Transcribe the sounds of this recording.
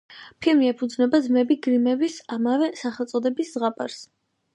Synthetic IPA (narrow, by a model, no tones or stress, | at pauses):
pʰilˠmiɛpʰud̪znɛbad̪zmɛbiɡɾimɛbisamavɛsaχɛlˠt̪sʼɔd̪ɛbiszʁapʼaɾs